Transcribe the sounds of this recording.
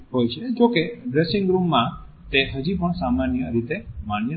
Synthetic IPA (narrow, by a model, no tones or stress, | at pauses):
ɦojt͡ʃʰed͡ʒokeɖɾesɪŋɡɾumːã | t̪eɦəd͡ʒipəɳsamanjəɾit̪emaɳ̃j